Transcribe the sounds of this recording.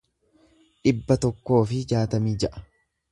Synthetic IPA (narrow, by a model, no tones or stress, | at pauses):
ᶑɪbːɐt̪ɔkːo̞ːfɪd͡ʒaːt̪ɐmiːd͡ʒɐʔɐ̥